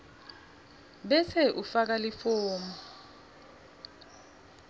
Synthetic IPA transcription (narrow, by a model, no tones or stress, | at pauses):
ɓɛsɛʔufak̬alifoːmɔ